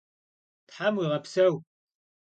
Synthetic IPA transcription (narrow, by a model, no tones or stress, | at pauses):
tħamwiʁɐpsɐw